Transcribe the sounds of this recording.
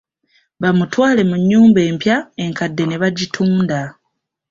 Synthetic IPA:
βamutwaːle̞muɲːuːmbe̞ːmpjae̞ŋkadːe̞ne̞βaɟitʰuːnda

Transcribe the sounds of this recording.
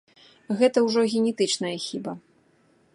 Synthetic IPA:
ɣɛt̪ɐwʐɔɣʲɛnʲɛt̪ɨt͡ʂnɐjɐxʲibɐ

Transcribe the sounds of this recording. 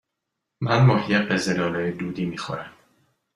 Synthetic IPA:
mænmɒːhijebezelɒːlejed̪uːd̪iːmiːxo̰ɾæm

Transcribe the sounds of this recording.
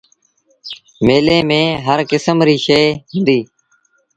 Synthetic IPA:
meːlẽːmẽːɦəɾkɪsəmɾiːʃeːɦʊ̃nd̪iː

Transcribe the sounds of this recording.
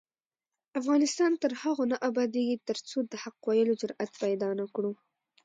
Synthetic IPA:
afɣɑnɪst̪ɑnt̪əɾhaɣonaʔabɑd̪eɡit̪əɾt͡sod̪əhaqwajəlod͡ʒʊɾat̪pajd̪ɑnakɽu

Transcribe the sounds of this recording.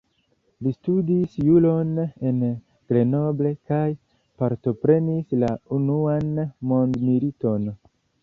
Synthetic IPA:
listudisjulo̞ne̞n | ɡ̥le̞no̞ble̞kaj | paɾto̞pɾe̞nislaunuanmo̞ndmilito̞n

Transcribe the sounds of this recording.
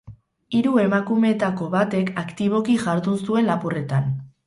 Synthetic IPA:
iɾue̞makume̞t̪ako̞βat̪e̞kakt̪iβo̞kiʝaɾðunsue̞nlapure̞t̪an

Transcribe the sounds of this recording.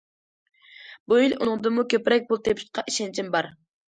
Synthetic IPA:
builṵnʊŋd̪ɨmukʲʰøpɾɛk̚ʲbulˠt̪ʰepʰt̪̚qʰɑʔiʃɛnt͡ʃʰimbɑɾ

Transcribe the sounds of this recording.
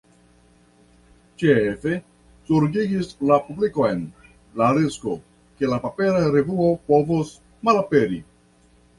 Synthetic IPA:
t͡ʃefe̞ | suɾɡiɡislapublikoen | laɾisko̞̰ | ke̞lapape̞ɾaɾevuo̞po̞vus | malape̞ɾi

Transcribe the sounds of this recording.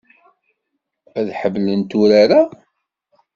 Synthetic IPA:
æðħəvlənt̪uɾaɾa

